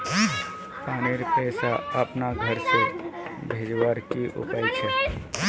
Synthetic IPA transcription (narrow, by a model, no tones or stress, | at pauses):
paːneɾpɛːsaəpnaɡʱəɾsebʱeːd͡ʒʋaɾkiʔʊ̰paːjt͡ʃʰɛ